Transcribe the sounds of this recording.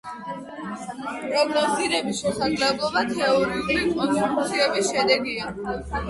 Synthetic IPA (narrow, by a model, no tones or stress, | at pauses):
pʼɾɔɡnɔsiɾɛbiʃɛsaɡlɛblˠɔbat̪ʰɛɔɾiuɾiit̪ʼɔnsut̪ʼut̪sʰiɛbisʃɛd̪ɛɡia